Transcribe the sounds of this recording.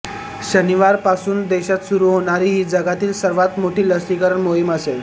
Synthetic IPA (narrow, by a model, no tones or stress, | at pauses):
ɕəniʋaɾpasuːnd̪eɕat̪suɾuːɦoɽ̃aɾiːɦiːd͡zəɡat̪iːlsəɾʋat̪moʈiːləsʈikəɾəɳmoɦiməsel